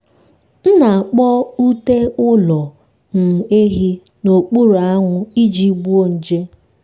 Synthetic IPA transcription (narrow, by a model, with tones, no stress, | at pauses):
n̩˦na˨k͡pɔ˦u˦te˦ʊ˦lɔ˨ | ŋ̩˨e˦ɦi˦ | no˨k͡pu˦ɾa˦ŋʷʊ˦i˦d͡ʒi˦ɡ͡bu˦o˦n̩˨d͡ʒe˦